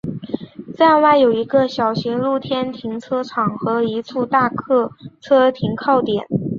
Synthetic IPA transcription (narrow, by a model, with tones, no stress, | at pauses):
t͡sa˥˧nwa˥˩ɪjo˨˩ʊi˧˥ɡə˧ɕjɑ˨˩ʊɕi˧˥ŋlu˥˩t̪ʰjɛ˥nt̪ʰi˧˥ŋʈ͡ʂʰɤ˥ʈ͡ʂʰɑ˨˩ŋxɤ˧˥i˧˥ʈ͡ʂʰu˥˧t̪a˥˧kʰɤ˥˩t͡sʰɤ˥t̪ʰi˧˥ŋkʰɑ˥˩ʊt̪jɛ˨˩˦n